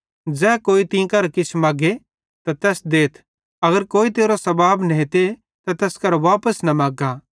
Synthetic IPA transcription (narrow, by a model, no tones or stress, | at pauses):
d͡zɛːkoːit̪ĩkɐɾkɪt͡ʃʰmaːɡe | t̪at̪ɛːsd̪eːt̪ʰ | ɐɡəɾkoːit̪eːɾosɐbaːbnɐɦet̪e | t̪at̪ɛːskɐɾʋaːpəsnɐmaːɡa